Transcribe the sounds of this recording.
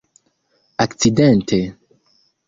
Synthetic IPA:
akt͡side̞nte̞

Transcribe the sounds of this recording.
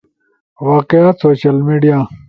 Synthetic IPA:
waːqeasoːɕɐlmiːɖijaː

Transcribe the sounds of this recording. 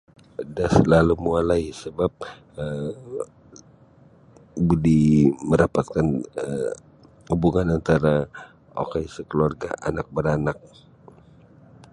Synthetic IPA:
dasəlalumualaisəbap̚ | ə | bdiməɾapat̪̚kanə | hubuŋanant̪aɾa | o̰kajsəkəluarɡa̰ʔa̰nak̚bəɾanak̚

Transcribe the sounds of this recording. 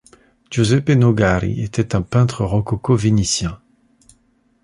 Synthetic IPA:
ʒozɛpenoɡaʁḭet̪ɛt̪ɛ̃pɛ̃t̪χəʁɔkɔkovenisjɛ̃

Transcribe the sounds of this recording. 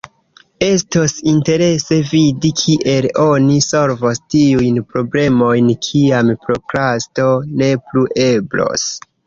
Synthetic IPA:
e̞stosinte̞ɾe̞se̞vidikʰiʔe̞lo̞niso̞lvostiujnpɾo̞ble̞mo̞jnkʰiampɾo̞kɾasto̞ne̞pluʔe̞blo̰s

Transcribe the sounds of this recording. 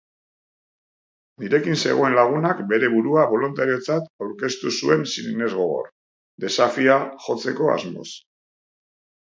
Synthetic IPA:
niɾe̞kinse̞̰ɣo̞e̞nlaɣ̞unakbe̞ɾe̞βuɾuaβo̞lunt̪aɾio̞t͡sat̪awɾke̞st̪usue̞nsinne̞zɣo̞ɣo̞̰r | d̪e̞safiaxo̞t͡se̞ko̞a̰zmo̞̰s

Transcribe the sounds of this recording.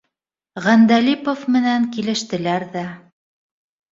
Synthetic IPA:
ʁænd̪ælipofmɘ̆næŋkilɘ̆ʃt̪ɘ̆læɾðæ

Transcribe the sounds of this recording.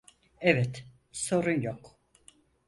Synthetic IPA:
ɛvɛt̪ | so̞ɾunjok

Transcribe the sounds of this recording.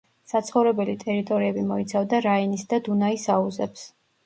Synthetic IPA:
sat̪sʰχɔvɾɛbɛlit̪ʼɛɾit̪ʼɔɾiɛbimɔit̪sʰavd̪aɾainisd̪ad̪unaisauzɛps

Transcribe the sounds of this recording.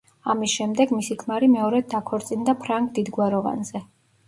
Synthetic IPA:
amisʃɛmd̪ɛɡmisikʰmaɾimɛɔɾɛd̪̚d̪akʰɔɾt̪sʼind̪apʰɾaŋɡd̪id̪ɡwaɾɔva̰nzɛ

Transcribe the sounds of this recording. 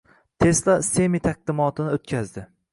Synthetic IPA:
t̪ʰe̞slasemit̪ʰaq̚d̪ɪmɒt̪ʰɪnɪot̪̚kʲʰazd̪ɪ

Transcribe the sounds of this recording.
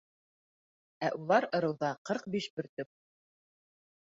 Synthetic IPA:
æʔulˠɑɾɤ̆ɾɤ̆wðɑqɤɾqbiʃbɘ̆ɾt̪ɵp̚

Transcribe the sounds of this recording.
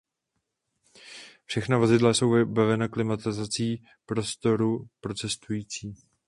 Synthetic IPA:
fʃɛxnavo̞zɪdlaso̞wvɪbavɛnaklɪmat̪ɪzat͡siː | pɾo̞st̪o̞ɾupɾo̞t͡sɛst̪ujiːt͡siː

